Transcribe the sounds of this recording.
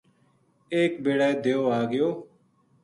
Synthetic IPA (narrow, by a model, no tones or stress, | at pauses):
eːkbeːɽaːeːd̪eːoːaːɡɪjoː